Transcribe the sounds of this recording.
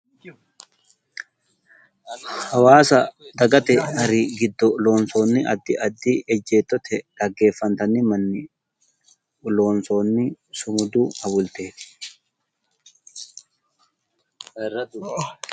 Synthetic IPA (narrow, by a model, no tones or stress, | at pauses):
hɐwaːsɐd̪ɐɡɐt̪ɛɐɾiɡɪd̪ːɔlo̞ːnsoːnːɪʔɐd̪ːɪɐd̪ːɪɛd͡ʒːeːt̪ːɔt̪ʰɛd̪̥ɐɡːe̞ːfːɐnt̪ɐnɪmɐnːɪ | ʊloːnsoːnːɪsʊmʊd̪uːhɐbʊlt̪eːt̪ɪ̥